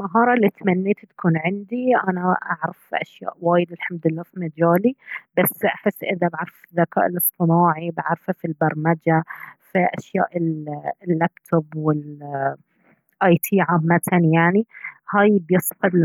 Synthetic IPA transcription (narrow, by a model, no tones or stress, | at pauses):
maɦɑːɾˤɑlːit̪manːeːt̪t̪kuːnʕɪnd̪iʔanaʔaʕɾˤafʔa̰ʃja̰ːʔwaːjɪd̪ɪlħamd̪lːaːfimad͡ʒaːlibasːʔaħɪsːʔɪðabaʕɾˤffðːaka̰ːʔɪlɨsˤt̪ˤɨnaːʕibaʕɾˤfafilbɑɾˤmad͡ʒafiʔaʃja̰ːʔɪllːaːpt̪ʰobwɪl | ʔaːjt̪ʰiːʕaːmːat̪ʰanjaʕnihaːjbjɨsˤfɑd̪